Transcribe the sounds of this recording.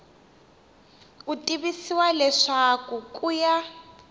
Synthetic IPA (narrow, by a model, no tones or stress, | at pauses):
utʼiβisiwalɛʂakukʼuja